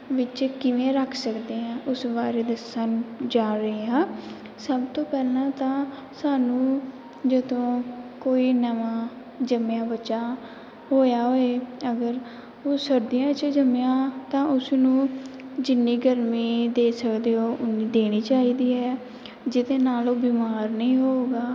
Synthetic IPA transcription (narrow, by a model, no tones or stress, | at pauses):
ʋɪt͡ʃkɪʋẽːɾəkʰsəkd̪eːãːʔʊsʋaːɾeːd̪əsənd͡ʒaːɾəeːãː | səbt̪õːpɛːlãːt̪ãː | saːnũː | d͡ʒəd̪õːkoːiːnəʋãː | d͡ʒəmejãːbətːʃaː | ɦoːjaːɦoːeːəɡəɾ | oːsəɾd̪ijãːt͡ʃd͡ʒəmjãːt̪ãːʔʊsnũːd͡ʒɪnːiːɡəɾmiːd̪eːsəkd̪eːɦoːʔʊnĩːd̪eːɽ̃iːt͡ʃaːiːd̪iːɦɛː | d͡ʒɪd̪eːnaːloːbiːmaːɾnĩːɦoːɡaː